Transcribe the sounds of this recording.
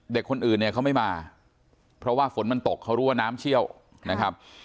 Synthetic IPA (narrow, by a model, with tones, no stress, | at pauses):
de˨˩kʰːo˧nʔɯː˨˩nːi˥˩ɐkʰa˦˥wma˥˩jmaː˧ | pʰɾɔ˦˥waː˥˩fo˩˦nma˧nt̪o˨˩k̚ʰːa˦˥wɾuː˦˥waː˥˩naː˦˥mt͡ɕʰi˥˩əw | na˦˥kʰa˦˥p̚